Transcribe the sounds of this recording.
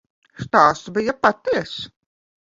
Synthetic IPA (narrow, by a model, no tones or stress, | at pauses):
st̪aːst̪bijapat̪iɛs